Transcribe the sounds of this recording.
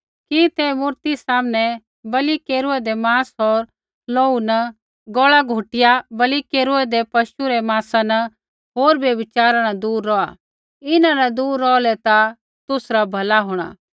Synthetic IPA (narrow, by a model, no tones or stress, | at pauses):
kit̪ɛmʊɾt̪isaːmñɛ | bɐlikeːɾʊɛd̪emaːsɦɔɾ | loːunə | ɡɔːɭaɡʱʊʈɪjabɐlikeːɾʊɛd̪epɐʃuɾɛmãːsanɐ | ɦoːɾbjebɪt͡ʃaːɾañɐd̪uːɾːɔa | ɪnãnɐd̪uːɾːɔːlɛt̪a | t̪ʊsɾabʱɐlaɦoːɽ̃a̰ː